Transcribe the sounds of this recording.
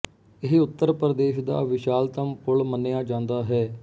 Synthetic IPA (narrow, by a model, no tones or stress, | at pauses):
ɪɦʊt̪ːəɾpɾəd̪eːʃd̪a̰ːʋɪʃaːlt̪əmpʊlmənːeːaːd͡ʒãːnd̪aːɦɛː